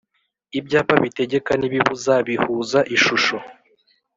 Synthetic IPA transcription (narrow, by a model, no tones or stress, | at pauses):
ibɟaːpaβite̞ɟe̞kaniβiβuzaβihuːzaʔiʃuʃo̞